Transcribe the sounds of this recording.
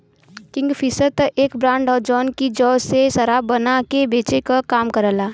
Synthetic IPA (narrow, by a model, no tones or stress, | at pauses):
kɪ̃ŋɡpʰɪsət̪ʔeːkbɾãːɳɖɔːɾd͡ʒɔːnkid͡ʒɔːsesəɾaːbənakebeːt͡ʃekakaːmkəɾəlaː